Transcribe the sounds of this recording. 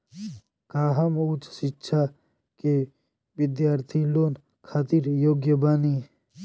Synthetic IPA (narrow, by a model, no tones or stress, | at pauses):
kaːɦɐmut͡ʃsitːʃʰa | ke | ʋɪd̪jaːɾt̪ʰiloːn | kʰaːt̪iɾjoːɡjəbaːni